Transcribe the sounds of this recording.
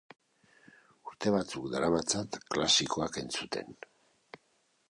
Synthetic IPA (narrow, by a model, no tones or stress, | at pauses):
uɾt̪e̞βat͡sukd̪aɾaβat͡sat̪klasiko̞ake̞nt͡sut̪e̞̰n